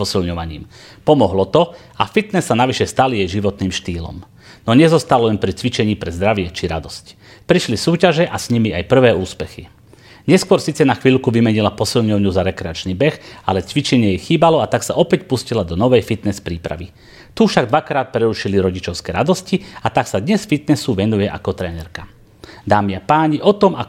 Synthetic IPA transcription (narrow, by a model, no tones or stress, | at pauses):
ɔsilɲɔʋaɲḭːm | pɔmɔɦlɔt̪ɔ | afit̪nɛsːanaʋiʃɛst̪alijɛjʒiʋɔt̪niːmʃt̪iːlɔ̰m | nɔɲɛzɔst̪alɔɛnpɾit͡sʋit͡ʃɛɲiːpɾɛzd̪ɾaʋɪɛt͡ʃiɾad̪ɔsc | pɾiʃlisuːcaʒɛʔasɲimiajpr̩ʋɛːuːspɛxi | ɲɛskʊɔɾsiːt͡sɛnaxʋiːʎkuʋimɛɲilapɔsilɲɔʊɲuzaɾɛkɾɛat͡ʃniːbɛxalɛt͡sʋit͡ʃɛɲɪɛjɛxiːbalɔat̪aksaʔɔpɛcpuscilad̪ɔnɔʋɛjfit̪nɛspɾiːpɾa̰ʋi | t̪ufʃaɡd̪ʋakɾaːt̪̚pɾɛɾuʃiliɾɔɟit͡ʃɔʊskɛɾad̪ɔsciat̪aksad̪ɲɛsfit̪nɛsuʋɛnujɛʔa̰kɔt̪ɾɛːnɛɾka | d̪aːmiapaːɲiʔɔt̪ɔma